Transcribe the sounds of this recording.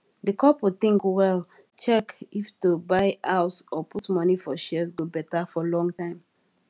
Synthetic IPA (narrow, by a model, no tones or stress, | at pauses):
ðəkʰɔpwuθĩŋkwɛl | t͡ʃɛkiftubaɪʔaʊsɔpʰutmʌnifɔʃɛzɡobɛtəfɔlɔ̃ŋtãɪ̃m